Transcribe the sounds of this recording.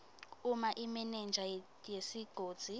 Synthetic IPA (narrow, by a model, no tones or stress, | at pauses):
umaʔimɛnɛnd͡ʒʱa | jesiɡ̥ʱoːd̥d͡z̥ʱi